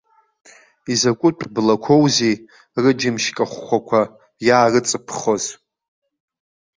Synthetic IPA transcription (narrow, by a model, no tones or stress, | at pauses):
izakʷʼʊtʷʰʼblakʷʰowzej | rɨd͡ʒɪmʃkʼaχːʷakʷʰa | jaːrɨt͡sʼɨpʰχoz